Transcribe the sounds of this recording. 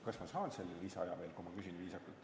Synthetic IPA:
kɑsmɑshɑːnselːisɑjɑve̞ːlkumɑkysinviːsɑkːult̪

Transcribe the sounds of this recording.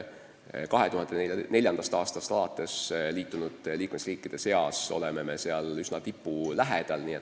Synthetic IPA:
kɑɦe̞t̪uhɑnd̪ene̞lʲjɑnɑst̪ɑːst̪ɑst̪ɑlɑt̪ːˑe̞sliːt̪ˑːunud̪̥liːkmesriːkːˑid̪̥e̞se̞ɑso̞̰leme̞me̞seɑlysnɑt̪ipːulæɦed̪̥ɑlniːe

